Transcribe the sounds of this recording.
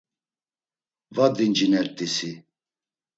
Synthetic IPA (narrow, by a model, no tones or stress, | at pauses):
vad̪ind͡ʒinɛɾt̪ʼisi